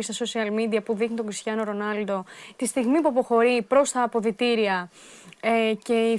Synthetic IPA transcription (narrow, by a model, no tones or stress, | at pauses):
st̪ɐso̞siɐlmid̪iɐpuðixnit̪o̞ɡɾisçɐno̞ɾo̞nɐld̪o̞t̪ist̪iɣmipuɐpo̞xo̞ɾipɾo̞st̪ɐːpo̞ðit̪iɾiɐ | ece̞i